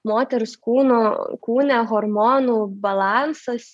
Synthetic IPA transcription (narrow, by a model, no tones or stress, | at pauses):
moːt̪ʲɛɾʊskuːnokuːnʲɛɣɔɾmɔːnuːbɐlˠɑnsɐs